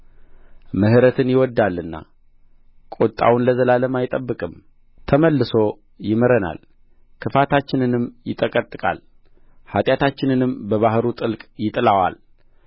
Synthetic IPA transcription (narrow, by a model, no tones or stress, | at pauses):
məhɨɾət̪ʰɨnjɪwɔd̪ːalːɨnːa̰ | kʼot̪ʼːa̰wʊnləzəlaləmajɪt̪ʼəbːɨkʼɨm | t̪ʰəməlːɨso̞ | jɪməɾəna̰l | kʰɨfat̪ʰat͡ʃːɪnɨnɨmjɪt̪ʼəkʼət̪ʼːɨkʼa̰l | hat̪ʼjat̪ʰat͡ʃːɪnɨnɨmbəβahɾut̪ʼɨlkʼjɪt̪ʼlawa̰l